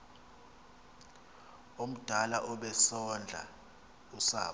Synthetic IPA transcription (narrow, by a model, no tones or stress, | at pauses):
om̩d̥ʱalaʔɔɓɛsɔnd͡ɮʱa̰ | usa̰ːɓ